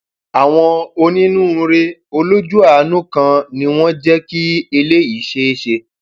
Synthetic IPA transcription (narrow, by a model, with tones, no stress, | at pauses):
a˨w̃ɔ̃˧o˧nĩ˦nũ˦˨˧ɾe˦o˧lo˦d͡ʒu˦a˦˨˦nũ˦kã˧nĩ˧w̃ɔ̃˦d͡ʒɛ˦ki˦e˧le˦i˨˦ʃe˧e˦ʃe˧